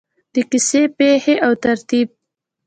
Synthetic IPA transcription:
d̪əkisepeheʔawt̪aɾt̪ib̚

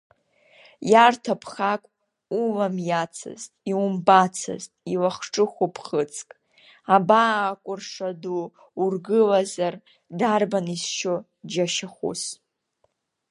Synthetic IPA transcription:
jartʰapʰχakʷʼ | uvamjat͡sʰɨ̰ztʼiumbat͡sʰɨ̰ztʼilaχʈ͡ʂʼɨχʷopʰχət͡sʰʼkʼ | abaːkʷʼʊrʂaduː | rɡɨlazar | darbanisʃo | d͡ʒaʃaχʷṵs

